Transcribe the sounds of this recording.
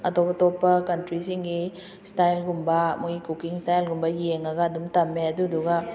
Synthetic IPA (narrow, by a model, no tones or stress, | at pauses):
ɐtɔpɐtɔpːɐkɐntɾisiŋɡi | stajlɡumbɐmoikukiŋstajlɡumbɐjeŋɐɡɐːd̪umtɐmːeɐduduɡɐ